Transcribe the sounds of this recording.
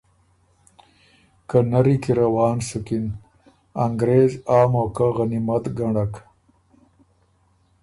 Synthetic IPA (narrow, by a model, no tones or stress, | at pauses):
kanɐɾikiɾawɑːnsukin | ɐŋɡɾeːzaːmoːkaɣɐnimɐt̪ɡaɳak